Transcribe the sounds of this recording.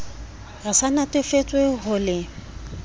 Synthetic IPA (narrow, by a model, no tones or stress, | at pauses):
rɪsanatʼɪfet͡sʼweɦʊlɪ